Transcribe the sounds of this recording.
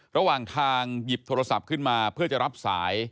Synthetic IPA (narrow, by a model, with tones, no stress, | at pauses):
ɾa˧waː˨˩ŋt̪ʰaː˧ŋji˨˩p̚t̪ʰoː˧ɾa˧sa˨˩p̚kʰɯ˥˩nmaː˧pʰɯ˥˩ɐt͡ɕa˨˩ɾa˦˥p̚saː˩˦j